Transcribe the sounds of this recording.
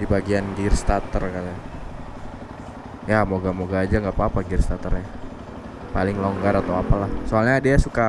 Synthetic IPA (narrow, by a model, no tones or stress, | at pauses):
dibaɡianɡirst̪at̪ərkat̪a | jamoɡamoɡaːd͡ʒaŋɡapaːpaɡirst̪at̪ərja | palɪŋloŋɡaɾat̪awapalahsoalɲadiasuka